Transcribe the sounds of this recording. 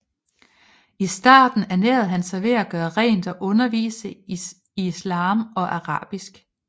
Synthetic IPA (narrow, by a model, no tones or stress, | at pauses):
isd̥ɑ̰̈ːd̥n̩æneːð̩ˠɦænsɑɪʋe̝æɡ̥ɶːɐʁɛ̰ːnd̥ɒ̽ʔɔ̽nɐʋḭːsə | islɑ̰̈ːmɒ̽ʔæɑʁɑ̰̈ːb̥isɡ̥